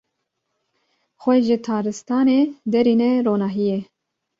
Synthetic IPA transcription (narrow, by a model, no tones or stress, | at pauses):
xʷɛʒɪt̪ʰɑːɾɨst̪ɑːneːd̪ɛɾiːnɛɾoːnɑːɦije